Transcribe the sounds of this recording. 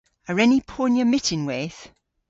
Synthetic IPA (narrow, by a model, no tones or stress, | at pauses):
əɹɛnipʰɔːnjəmɪtʰɪ̃nwɪð̥